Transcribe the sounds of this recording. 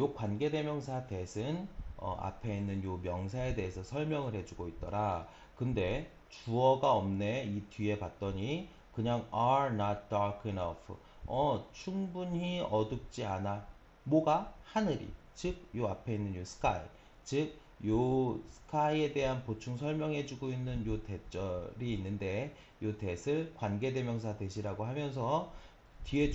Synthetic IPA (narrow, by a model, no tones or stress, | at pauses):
jokwanɡe̞de̞mjʌŋs̬ʰate̞sʰɯnʌ̰a̰pʰe̞inːɯnjomjʌŋsʰae̞de̞ɦesʰʌsʰʌɭmjʌŋɯɭhe̞d͡ʑuɡoit̚t͈ʌɾa | kɯnde̞ | t͡ɕuʌɡaʌmne̞itɥie̞pat̚t͈ʌɲi | kɯɲaŋaɾnatt͈aɾkʰinʌ̰pʰɯ̰ | ʌt͡ɕʰuŋbuɲiʌduk̚t͡ɕ͈iana | moɡahanɯɾḭ | t͡ɕɯk̚joapʰe̞inːɯnjosʰɯ̥kʰa̰jḭ | t͡ɕɯk̚ | josʰɯ̥kʰajie̞de̞ɦanpot͡ɕʰuŋsʰʌɭmjʌŋɦe̞d͡ʑuɡoinːɯnjote̞t͡ɕ͈ʌɾiːnːɯnde̞ | jote̞sʰɯɭkwanɡe̞de̞mjʌŋsʰade̞ɕʰiɾaɡoɦamjʌns̬ʰʌ | tɥie̞